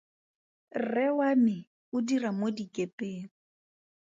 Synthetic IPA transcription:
rɛwamɪ | ʊdiramodikʼepʼeːŋ̩

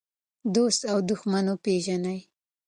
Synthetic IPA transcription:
d̪ost̪awd̪ʊxmanopeʒanaj

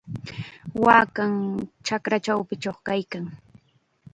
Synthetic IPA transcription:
waːkaŋt͡ʃakɾat͡ʃawpɪt͡ʃoχkajkaŋ

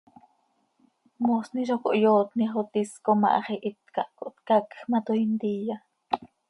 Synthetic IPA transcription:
mosniʃoko̰ʔjoːt̪niχot̪iskomɑ̰ʔɑ̰χiʔit̪kɑʔkoʔt̪kakxmat̪oint̪iːja

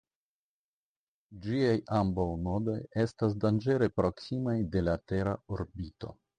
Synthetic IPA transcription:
d͡ʒiajambawno̞do̞je̞stas̬dand͡ʒe̞ɾe̞pɾo̞ksimajde̞late̞ɾaoɾbito̞̰

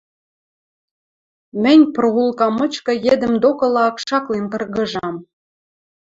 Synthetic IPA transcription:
mɘ̆nʲproulˠkɑmɤ̆t͡ɕkɤ̆jed̪ə̆md̪okɤ̆lɑkʃɑklent̪ɤ̆rɣɤ̆ʒɑm

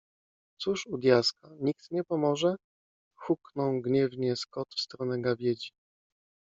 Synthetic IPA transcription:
t̪suʂud̪ʲjaskaɲikt̪ɲɛpɔmɔʐɛ | xuknɔ̃w̃ɡɲɛvɲɛskɔt̪fst̪ɾɔnɛɡavʲjed͡ʑi

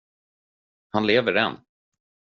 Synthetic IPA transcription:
hanleːvəɾɛ̰nː

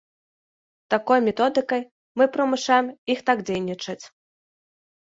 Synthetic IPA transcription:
t̪akɔjmʲɛt̪ɔd̪ɨkɐj | mɨpɾɐmɨʂajɛmixt̪aɡd͡zʲejnʲit͡ʂɐt͡sʲ

